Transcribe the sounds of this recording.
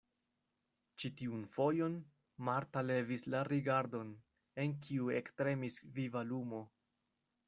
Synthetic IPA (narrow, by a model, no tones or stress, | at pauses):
t͡ʃitiunfo̞jo̞n | maɾtale̞vislaɾiɡaɾdo̞n | e̞nk̬ʰiuektɾe̞misvivalumo̞